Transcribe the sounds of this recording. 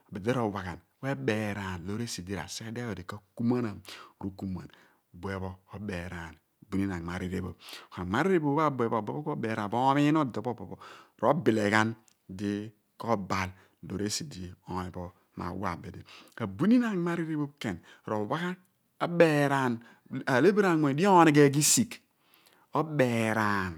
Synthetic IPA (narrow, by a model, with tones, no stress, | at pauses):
a˨be˨de˦ɾo˨wa˨ɡa˨n | we˦be˨ɾa˨n˨lo˦ɾe˦si˨di˦ɾa̰˨se˦ka˦di˦a˦jo˨di˨ka˦ku˦ma˦na˨m˨ɾu˦ku˦ma̰˨n˨ | bu˨e˨bo˦ko˦be˨ɾa˨n˨ | bu˨ni˦na˨ŋ˨ma˨ɾi˨ɾe˨bo˨b̚o˨ka˨ma˦ɾi˦ɾe˦bo˦˨˦a˦˨bu˨˦e˨bo˦˨be˦bo˦ko˦be˨ɾa˨bo˦mi˦no˦do˨bo˦bo˨bo˨ɾo˦bi˨le˨ka˦n | di˦ | ko˦ba˨l | do̰˨ɾe˦si˨di˦o˨i˨bo˦ | ma̰˨wa̰˨be˨de˨a˨bu˦ni˦na˨ŋ˦ma˦ɾi˦ɾe˦bo˦bke˨n˨ | ɾo˨wa˦ka˦ | a˦be˦˨ɾa˨n | a˨le˦bi˦ɾa˨˦we˨di˦o˦ni˨˦ɡe˦˨ɡi˦si˨k | o˦be˨ɾa˨n